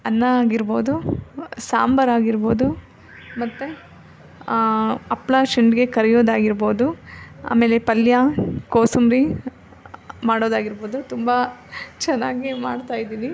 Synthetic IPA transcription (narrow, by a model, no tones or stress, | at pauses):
ɐnːɐːɡiɾboːd̪usa̰ːmbɐɾaːɡiɾbo̞ːd̪u | mɐt̪ːu | ɐplaːʂɐɳɖɡe̞kɐɾɛjo̞ːd̪aːɡiɾbo̞ːd̪ua̰ːme̞ːlepɐljakoːsumɾi | maːɽoːd̪aːɡiɾbo̞ːd̪ut̪umbɐt͡ʃɛnːaːɡimaːɽt̪aːjid̪iːni